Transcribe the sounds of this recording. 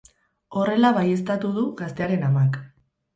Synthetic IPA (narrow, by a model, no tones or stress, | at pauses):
o̞re̞laβaje̞st̪at̪uð̞uɣast̪e̞aɾe̞namak